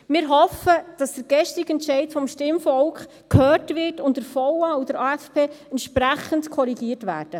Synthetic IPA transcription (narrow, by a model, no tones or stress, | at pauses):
mɪɾɦɔfəd̥ɑsd̥əɾɡɛʃtɪɡɛntʃɛɪtfɔmʃtɪmfɔlkχ | khøːɾtʋɪɾtʊntdəɾfɔwɑudəɾɑːɛfpʰeːɛntʃpɾæχəndkʰɔɾiɡiərtʋæ̰ːɾd̥ə